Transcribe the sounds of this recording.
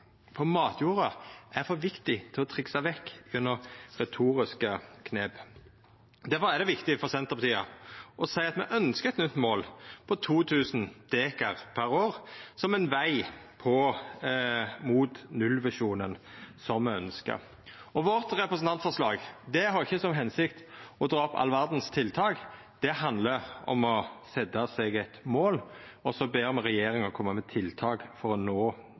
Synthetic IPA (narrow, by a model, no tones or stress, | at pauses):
fɔʁmɑːt̪ʰjuːʁɑʔæʁfɔʋɪkt̪ɪt̪ʰɪlɔt̪ʰʁɪksɑʋɛkːʉnːəʁʁɛt̪ʰuːɾɪskəkʰneːb | d̪æfɔʁæd̪ɛʋɪkt̪ɪfɔʁsɛnt̪əʁpɑt̪iːɑ̰ʔɔsæɪɑt̪mɛʔœnskəɛt̪nʏt̪ːmoːlpʰɔt̪ʰuːt̪ʰʉːsn̩d̪̥eːkɑʁpʰæɾoːʁsɔmɛnʋæɪpʰɔ | muːt̪nʉlʋæʂuːnənsɔmmɛœnskə̰ɾ | ɔʋɔʁt̪ɾɛpɾəsn̩t̪ɑnt̪fɔʁʂlɑːɡd̪ɛhɑɾɪçːəsɔmɦɛnsɪkt̪ɔd̪ɾɑːɔpɑ̰lːəʋæʁd̪n̩st̪ʰɪlt̪ʰɑːɡ | d̪̥ɛhɑnd̪ləɔ̰mɔsɛd̪ɑsɛɡæt̪moːl | ɔsɔbeːʁmɛʁɛjeːɾɪŋɔkʰɔmːəmɛt̪ʰɪlt̪ʰɑːɡfɔɾɔnoː